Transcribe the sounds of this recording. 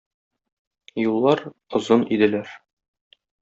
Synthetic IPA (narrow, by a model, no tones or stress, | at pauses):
julˠːɑɾ | ŏzonid̪ɘ̆læɾ